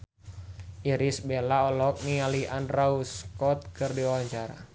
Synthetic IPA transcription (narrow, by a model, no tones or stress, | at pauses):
ʔiɾisbelaɔlɔk̚nialiʔanrauskɔt̪̚kɨrdiawaɲt͡ʃaɾa̰